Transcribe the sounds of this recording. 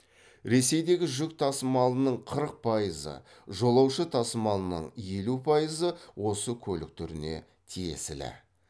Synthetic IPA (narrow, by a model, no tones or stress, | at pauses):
ɾe̞se̞jd̪e̞ɡʲɪʒʏk̚t̪ʰɑsəmɑlˠənəɴqʰəɾəq̚pʰɑjəzə̰ | ʒo̞lˠɑwʃət̪ʰɑsəmɑlˠənə̰ɴje̞lupʰɑjəzəwo̞səkʲʰɵlɪk̚t̪ʰʏɾɪne̞̰ | t̪ʰije̞̰sɪlɪ̰